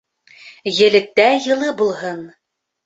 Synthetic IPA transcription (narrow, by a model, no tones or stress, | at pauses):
jɘ̆lɘ̆k̚t̪æjɤ̆lˠɤbulˠɦɤn